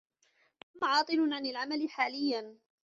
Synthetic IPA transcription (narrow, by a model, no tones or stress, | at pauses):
maʕɑːt̪ˤɨnʊʕanalʕamalɪħaːlɪjːan